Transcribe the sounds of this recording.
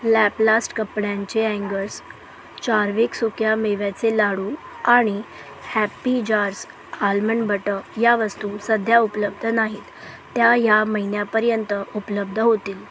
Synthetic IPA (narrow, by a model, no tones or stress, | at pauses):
læplasʈkəpɳjãɲt͡ɕeæ̃ŋɡəɾs | t͡ɕaɾʋiːksukjameʋjat͡selaɽuː | aɽ̃i | hæpid͡ʑaɾs | alməɳbəʈəjaʋəst̪uːsəd̪ʱjaupləb̚d̪ʱənaɦiːt̪ː | jajaməɦinjapəɾjənt̪əupləb̚d̪ʱəɦot̪iːl